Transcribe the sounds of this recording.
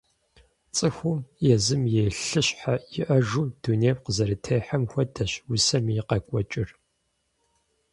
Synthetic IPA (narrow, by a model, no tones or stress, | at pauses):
t͡sʼɨxʷʊmjɛzɨmjeːɬɨɕʼħajɪʔɐʒuːd̥uneːpqəzɐɾɨtʰejħamxʷɔdʰɐɕwʊsɐmiɪqɐkʷʼɔt͡ʃʼɪr